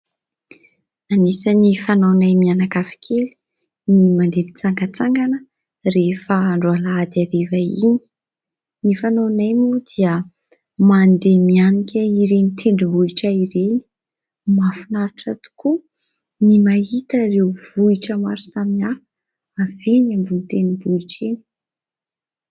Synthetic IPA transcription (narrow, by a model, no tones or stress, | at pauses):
anisanifanonajmianakafi̥kʰelu̥ | nimand̪emit͡saŋɡat͡saŋɡanə | refəːɳɖ͡ʐualaad̪iaɾevaini̥ | nifanonajnud̪iə | mand̪emianikʲaiɾenit̪ʰeɳɖ͡ʐibuiʈ͡ʂəiɾeni̥ | mafinaɾiʈ͡ʂat̪u̥ku | nimahit̪əɾewv̥uiʈ͡ʂəmaɾu̥samiaː | venambunt̪enibuiʈ͡ʂeni̥